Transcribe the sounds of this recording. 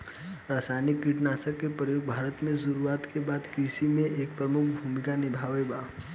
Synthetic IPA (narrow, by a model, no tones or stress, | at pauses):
ɾaːsaːjnikːiʈnaːsəkːepɾəjoːɡ̚bʱaːɾət̪mẽsʊɾuaːt̪kebaːd̪kisimẽeːk̚pɾəmʊkʰbʱuːmɪkanɪbʱaːʋebaː